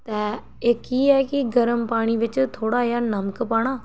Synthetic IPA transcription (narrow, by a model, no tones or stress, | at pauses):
t̪ɛː | ɪkiːɦɛːkiɡəɾəmpaːɽ̃iʋɪt͡ʃt̪ʰoːɽajaːnɐməkpaːɽ̃aː